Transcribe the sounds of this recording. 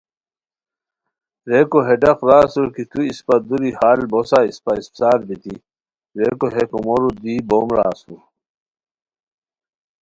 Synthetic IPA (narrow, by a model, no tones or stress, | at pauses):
ɾekoɦeɖɐqɾaːsuɾkit̪uispɐd̪uɾihaːlbosaispaispsaːɾbit̪i | ɾekoɦekomoɾud̪iːboːmɾa̰ːsṵɾ